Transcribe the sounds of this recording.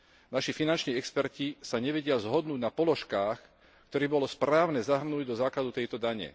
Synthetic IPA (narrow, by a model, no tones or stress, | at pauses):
naʃifinant͡ʃniːɛkspɛɾcisaɲɛʋɛɟɪazɦɔd̪nuːɟnapɔlɔʃkaːx | kt̪ɔɾɛːbɔlɔspɾaːʊnɛzaɦr̩nuːɟd̪ɔzaːklad̪ut̪ɛjt̪ɔd̪aɲɛ̰